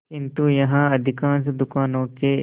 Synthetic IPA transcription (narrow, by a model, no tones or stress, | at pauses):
kɪ̃nt̪ujɐɦãɐd̪ʱɪkãːnsd̪ʊkaːnõke